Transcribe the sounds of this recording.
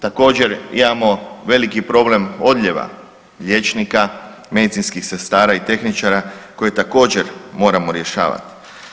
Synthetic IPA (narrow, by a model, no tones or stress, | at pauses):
t̪ako̞ːd͡ʑe̞ɾḭmamo̞ʋe̞likipɾo̞ble̞mo̞d̪ʎʲe̞ʋa̰ | ʎʲe̞t͡ʃnika | me̞d̪it̪sinskixse̞st̪aːɾait̪e̞xnit͡ʃaɾako̞je̞t̪ako̞ːd͡ʑe̞ɾmo̞ːɾamo̞ɾje̞ʃa̰ːʋa̰t̪i̥